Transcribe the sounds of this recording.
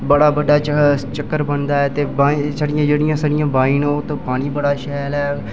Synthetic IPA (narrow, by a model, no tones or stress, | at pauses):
bəɽaːbəɖaːt͡ʃt͡ʃəkːəɾbənd̪aːɛːt̪eːbasaɽɪjãːd͡ʒeːɽɪjãːsaːɽɪjãːbaːiːnoːt̪õːpaːñiːbəɽaːʃɛːlɛː